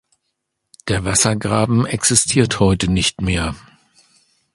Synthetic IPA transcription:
d̥eːɐvasɐɡʁaːbm̩ɛksɪstʰiːɐthɔʏtənɪçtmeːɐ

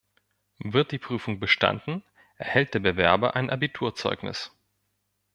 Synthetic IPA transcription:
vɪɐt̚d̥iːpʁ̥yːfʊŋbəʃta̰ndn̩ | ʔɛɐhɛlt̚d̥eːɐbəvɛɐbɐʔaɪnʔabitʰuːɐt͡sɔ̰ʏknɪ̰s

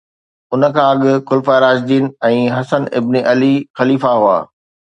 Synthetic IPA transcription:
ʊnə̆kʰãːɐɠʊ̆kʊlfaɾaːzd̪iːnɛ̃ːɦɐsənɪ̰bneʔɐlixɐliːfaɦua̰ː

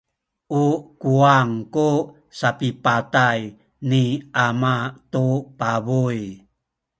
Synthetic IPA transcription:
ʔukuaŋku | sapipataj | niʔamat̪upabuj

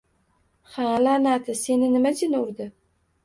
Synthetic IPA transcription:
halanat̪ʰɪsenɪnɪmad͡ʒɪnʊɾd̪ɪ

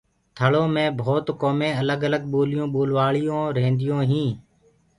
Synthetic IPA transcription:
t̪ʰəɭõːmẽːbʱoːt̪koːmẽːələɡələɡ̚ɓoːlɪjõːɓoːlʋaːɭɪjõːɾẽːnd̪ɪjõːɦĩː

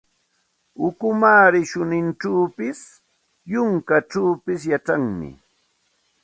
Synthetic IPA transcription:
ʊkʊmaːɾɪʃʊnɪnʈ͡ʂaːpɪs | jʊŋkaʈ͡ʂaːpɪs̬jaʈ͡ʂaŋmɪ̰

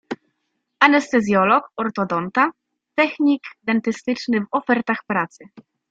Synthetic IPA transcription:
anɛst̪ɛzʲjɔlɔkɔɾt̪ɔd̪ɔnt̪a | t̪ɛxɲʲikd̪ɛnt̪ɘst̪ɘt͡ʂnɘvɔfɛɾt̪axpɾat̪sɘ

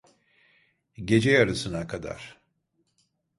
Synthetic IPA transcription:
ɟe̞d͡ʒɛjaɾɯsɯnakʰad̪a̰ɾ̥

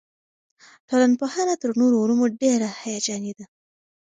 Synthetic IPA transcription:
ʈolanpohɑnat̪əɾnoɾoɾumoɖeɾahajad͡ʒɑned̪a

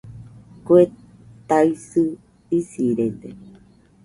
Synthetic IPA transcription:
kue | t̪aisɨ | isiɾend̪e

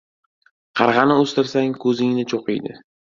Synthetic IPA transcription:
qʰɑɾʁɑnɪɵst̪ɪɾsaŋkʰɵzɪŋnɪt͡ʃʰoqɨjd̪ɪ̰

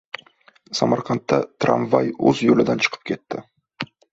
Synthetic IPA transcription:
samɑɾqʰɑnt̪ːat̪ʰɾa̰nvajɵzjolɪd̪ant͡ʃʰə̥qʰə̥p̚kʲʰe̞t̪ːɪ

